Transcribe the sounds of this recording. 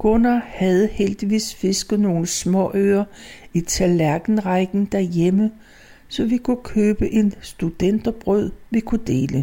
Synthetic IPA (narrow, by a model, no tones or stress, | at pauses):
kʰɔnɐhæð̞̩ˠheld̥iʋḭːsfe̝sɡ̥ð̩ˠno̝ːləsmɒ̰ʔøːɐit͡sʰælæɐɡ̥n̩ʁɑɪɡ̥n̩d̥æɐjemə | sɒ̽ʋikʰukʰøːb̥əʔe̝nsd̥ud̥en̰d̥ɒb̥ʁœð̰ˠʋikʰud̥e̝̰ːlə